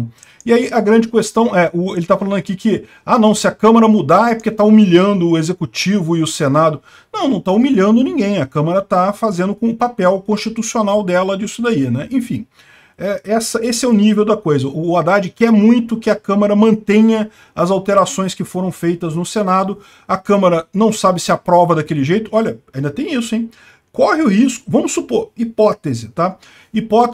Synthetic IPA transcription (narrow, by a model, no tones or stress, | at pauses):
ɪaiʔɐɡɾɐ̃nd͡ʒɪkest̪ɐ̃w̃ɛʔʊelɪt̪afalɐ̃d̪ʊɐakikɪ | anɐ̃w̃sɪɐkɐ̃mɐɾɐmud̪aɛpoɾket̪aumiʎɐ̃nd̪ʊʊezekut͡ʃivʊɪʊsenad̪ʊ | nɐ̃w̃nɐ̃w̃t̪aumiʎɐ̃nd̪ʊnĩɡẽj̃ɐkɐ̃mɐɾɐt̪afazẽnd̪ʊkõʊpapɛwkõst͡ʃit̪usionawd̪ɛlɐd͡ʒisʊd̪ainɛʔẽfĩ | ɛɛsɐʔesɪɛʊnivewd̪ɐkojzɐʔʊːad̪ad͡ʒɪkɛɾmũj̃t̪ʊkɪɐkɐ̃mɐɾɐmɐ̃nt̪ẽɲɐ | ɐzawt̪eɾasõj̃skɪfoɾɐ̃w̃fejt̪ɐznʊsenad̪ʊ | ɐkɐ̃mɐɾɐnɐ̃w̃sabɪsɪapɾɔvɐd̪ɐkelɪʒejt̪ʊɔʎɐaĩd̪ɐt̪ẽj̃isʊẽj̃ | kɔhɪʊhiskʊvɐ̃mʊsːupoɾipɔt̪ezɪt̪a | ipɔt̪